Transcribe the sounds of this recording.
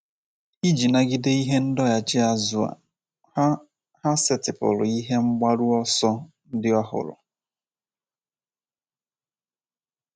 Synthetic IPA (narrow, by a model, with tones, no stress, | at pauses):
i˦d͡ʒi˨na˨ɡɪ˦de˦i˦ɦe˦n̩˦dɔ˦ja˨t͡ʃɪ˦a˦zʊ˨a̰˨˦ | ha˦sɪ˦tɪ˨pʊ̰˨lʊ̰˨i˦ɦe˦ŋ͡m̩˦ɡ͡ba˦ɾu˦ɔ˦sɔ˦ | n̩˦dɪ˦ɔ˦ɦʊ̰˨ɾʊ̰˨